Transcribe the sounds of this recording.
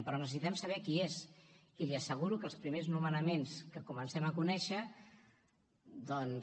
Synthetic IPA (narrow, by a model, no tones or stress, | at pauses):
pɾɔnəsəsit̪ɛmsəβ̞ɛkiez | iliəsəɣ̞uɾukəlˠspɾimeznumənəmenskəkumənsɛməkunɛʃə | d̪ɔn